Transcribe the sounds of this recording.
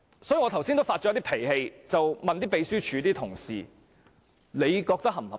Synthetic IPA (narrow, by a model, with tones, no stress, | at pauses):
sɔː˨˥ji˨˧ŋɔ˨˧t̪ʰɐ˨˩wsiː˥n˥wfaː˧t̚t͡ʃɔː˧˥t̪i˥pʰe˨˩jhe˧jt͡sɐ˨wmɐ˨nt̪iː˥p̬e˨˧jsyː˥t͡ʃʰyː˨˧t̪iː˥t̪ʰʊ˨˩ŋsḭː˨ | le˨˧jkɔː˧k̚t̪ɐ˥k̚ɦɐ˨˩mhɐ˨˩